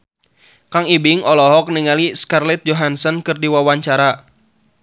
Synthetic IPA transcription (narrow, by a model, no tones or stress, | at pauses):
kaŋibiŋɔlɔɦɔk̚niŋaliskarlɛt̪̚d͡ʒoɦansɔnkɨrdiwawaɲt͡ʃaɾa